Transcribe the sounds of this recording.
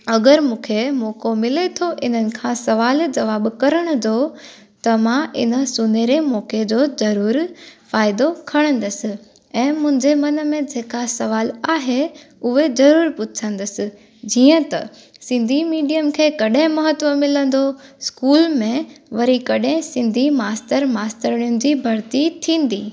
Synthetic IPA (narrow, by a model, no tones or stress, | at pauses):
ɐɡəɾmũːkʰemoːkomɪlet̪ʰoʔɪn̤ənɪ̆kʰãsɐʋaːld͡ʑɐʋaːbkɐɾəɽ̃ʊd̪o | t̪ɐmãɪ̰nə̆sʊneɾemoːked͡ʑoːd͡ʑɐɾuːɾfaːɪd̪okʰɐɽ̃ə̃nd̪əsɪ̆ | ɛ̃ːmʊ̃ɦɪ̃ɲd͡ʑemɐnəmẽd͡ʑeːkasɐʋaːlaːɦe | ʊɦezɐɾuːɾpʊt͡ɕʰə̃nd̪əsɪ̆ | d͡ʑiːə̃t̪ɐ̰ | sɪ̃nd̪ʱimiːɖijəmkʰeːkɐɗɦɪ̃mɐɦət̪ʋəmɪlə̃n̆d̪oskuːlmẽʋɐɾikɐɗɦɪ̃sɪ̃nd̪ʱimaːstəɾmaːstəɾəɽ̃ijʊnɪ̆d͡ʑiːbʱɐɾt̪it̪ʰĩːn̆d̪iː